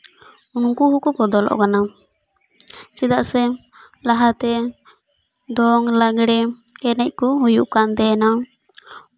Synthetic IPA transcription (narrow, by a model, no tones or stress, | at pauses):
unkuɦukɔkɔd̪ɔlɔ̰ʔkana | t͡ʃid̪aʔsɛ | laɦat̪ɛ | d̪ɔŋlaɡɽɛɛnɛc̚ˀkuɦujuʔkant̪ɛna